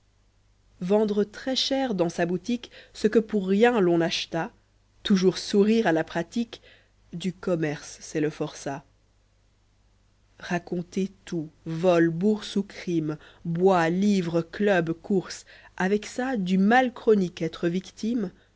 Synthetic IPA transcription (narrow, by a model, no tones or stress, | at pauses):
vɑ̃d̪ʁət̪χɛʃɛʁd̪ɑ̃sabut̪iksəkəpuʁːjɛ̃lɔ̃naʃt̪a | t̪uʒuːʁsuʁiʁalapχat̪ik | d̪ykɔmɛʁsːɛləfɔʁsa | ʁakɔ̃t̪et̪uvɔlbuʁsukχimbwalivʁəklœbkuʁsavɛksad̪ymalkχɔnikɛt̪χəvikt̪im